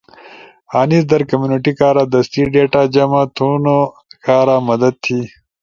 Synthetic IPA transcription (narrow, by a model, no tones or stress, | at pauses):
aːnisd̪ɐɾkɐmjuːniʈikaːɾad̪ɐst̪iɖeːʈaːd͡ʒɐmat̪ʰuːno | kaːɾaːmɐd̪ɐd̪̚t̪ʰiː